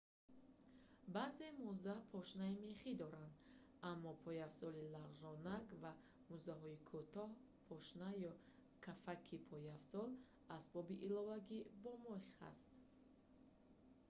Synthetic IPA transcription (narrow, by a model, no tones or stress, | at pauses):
baze̞muzapʰɔʃnaimeχid̪ɔɾand̪ | amːɔpʰɔjavsɔlilaʁʒɔnaɡva | muzaɦɔikʰut̪ɔh | pʰɔʃnajɔ | kʰafakʰipʰɔjafsɔl | asbɔbiʔilɔvaɡibɔmɔχha̰st̪